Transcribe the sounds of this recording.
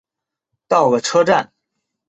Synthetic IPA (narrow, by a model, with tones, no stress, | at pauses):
t̪ɑ˥˩ʊɡə˩ʈ͡ʂʰɤ˥ʈ͡ʂa˥˩n